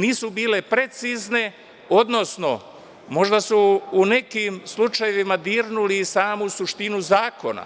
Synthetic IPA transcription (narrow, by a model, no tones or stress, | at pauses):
niːsubiːle̞pɾet̪sizne̞ | od̪no̞sno̞ | mo̞ʒd̪asuːne̞kimslut͡ʃajeʋimad̪iːɾnulisaːmusuʃt̪inuzaːko̞̰na̰